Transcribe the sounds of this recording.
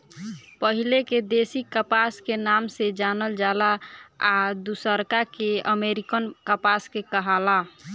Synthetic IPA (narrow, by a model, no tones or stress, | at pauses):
pəɦileked̪esikəpaskenamsed͡ʒanəld͡ʒalaad̪usəɾkakeəmeɾikənkəpaskekəɦala